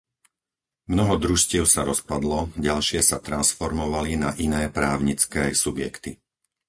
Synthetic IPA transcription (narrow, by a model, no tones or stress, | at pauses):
mnɔɦɔd̪ɾuʃcɪɛʊsaɾɔspad̪lɔɟalʃɪɛsat̪ɾansfɔɾmɔʋalinaʔinɛːpɾaːʊɲit͡skɛːsubjɛ̰kt̪i